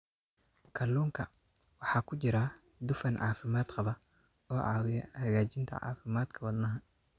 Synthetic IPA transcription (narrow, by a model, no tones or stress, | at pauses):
kʰɐluːŋkʰɐ | wɑħɑːkʰʊt͡ʃɪɾɐ | d̪ʊfɐnʕɑ̰ːfɪmaːd̪qɑβɐ | ɔːʕɑ̰ːwɪjɐhɐɣaːt͡ʃɪnt̪ʰɐ̰ʕɑ̰ːfɪmaːd̪kʰɐwɐd̪nɐɦɐ